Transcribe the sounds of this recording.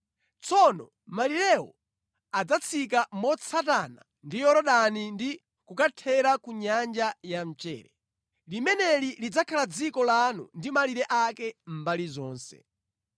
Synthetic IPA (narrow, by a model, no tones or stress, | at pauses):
t͡sɔnɔ̰ | maliɾɛwɔ̰ | ad͡zat͡sʰik̬amɔt͡sʰatana̰ | ndijɔɾɔɗanindi | kukatʰɛɾakuɲand͡ʒajam̩t͡ʃɛ̰ːɾɛ | limɛnɛlilid͡zakʰalad͡zikɔlanṵndimaliɾɛʔakɛm̩balizɔːnsɛ̰